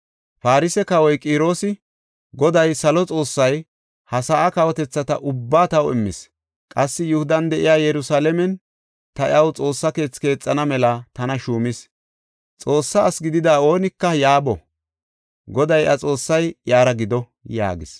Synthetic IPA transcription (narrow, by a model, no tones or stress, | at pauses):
faːɾɪsɛkɐwɔjkʼiːɾo̞ːsɪ | ɡɔd̪ɐjsɐlɔt͡sʼo̞ːsːɐj | hɐsaʔɐkɐwɔt̪ɛt͡sːɐt̪ɐʔʊbːaːt̪ɐwɪ̰mːɪ̰s | kʼɐsːɪjʊhʊd̪ɐnd̪ɛʔɪjaːjɛɾʊsaːlɛmɛn | t̪ɐɐwt͡sʼo̞ːsːɐke̞ːt͡sːke̞ːt͡sʼːɐnɐmɛlɐt̪ɐnɐʃuːmɪs | t͡sʼo̞ːsːɐːsɡɪd̪ɪd̪aːo̞ːnɪkːɐjaːbɔ̰ | ɡɔd̪ɐjʔɐt͡sʼo̞ːsːɐjjaːɾɐɡɪd̪ɔ | ja̰ːɡɪs